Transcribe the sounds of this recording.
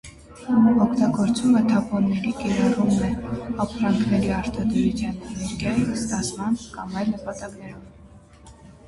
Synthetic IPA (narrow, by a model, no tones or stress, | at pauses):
mɔkʰt̪ɑɡɔɾt͡sumət̪ʰɑpɔnːɛɾikɛɾɑrumːɛɑpʰɾɑŋkʰnɛɾiɑɾt̪ʰɑd̪əɾut͡sʰjɑnnɛɾkjɑjist̪ɑt͡sʰmɑnkɑmɑjlnəpɑt̪ɑknɛɾɔv